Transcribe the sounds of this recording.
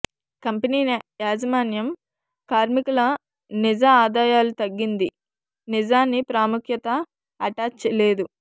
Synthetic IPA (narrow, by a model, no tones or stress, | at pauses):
kɐmpɐniːnjaːd͡ʒɐmaːnjɐm | kaːɾmikulɐ | nid͡ʒɐaːd̪aːjaːlut̪ɐɡːind̪i | nid͡ʒaːnːipɾaːmukʰjɐt̪ɐː | ʈaːt͡ʃɐle̞ːd̪u